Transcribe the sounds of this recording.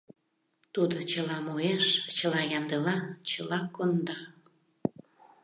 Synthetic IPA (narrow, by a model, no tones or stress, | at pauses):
t̪ud̪ot͡ɕəlɑmoeʃt͡ɕəlɑjɑnd̪əlɑt͡ɕəlɑkond̪ɑ